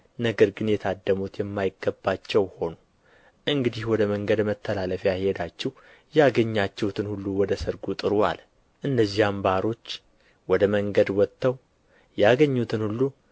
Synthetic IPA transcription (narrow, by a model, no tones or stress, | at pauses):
nəɡəɾɡɨnjɛt̪ʰad̪ːəmut̪jɛmːajɪɡːəbːat͡ʃːɛwho̞nu | ʔɨŋɡɨd̪ihwɔd̪əməŋɡəd̪mət̪ʰːəlaləfjahe̞d̪at͡ʃːɛh | jaɡəɲːat͡ʃːɛwt̪ʰɨnhulːuwɔd̪əsəɾɡut̪ʼɨɾua̰l | ʔɨnːəzːihambaɾo̞t͡ʃː | wɔd̪əməŋɡəd̪wɔt̪ːəw | jaɡəɲːut̪ʰɨnhulːu